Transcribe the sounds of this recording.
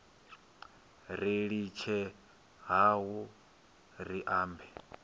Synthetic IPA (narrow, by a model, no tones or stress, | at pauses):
ɾiɺit͡ʃʰɛ | ɦaɦu | ɾiʔaːmbɛ